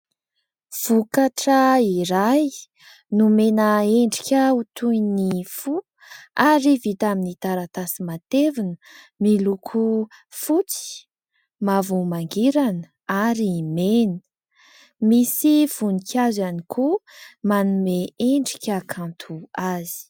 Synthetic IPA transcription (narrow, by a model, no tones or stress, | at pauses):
v̥ukaʈ͡ʂəiɾaj | numenəeɳɖ͡ʐi̥kʲəut̪ujnifu | aɾivit̪aminit̪aɾat̪asimat̪evinə | milukʰufut͡si̥ | mavumaŋɡiɾanə | aɾimenə | misiv̥unikʰʲazanikʰumanumeeɳɖ͡ʐi̥kʲəkʰãnt̪ʰuazi̥